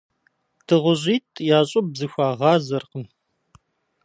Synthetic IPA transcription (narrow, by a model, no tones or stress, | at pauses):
tʰɨʁʷʊʑiːtʼʰjaːɕʼʊb̚bzɨxʷaːʁɑːzɐrqəm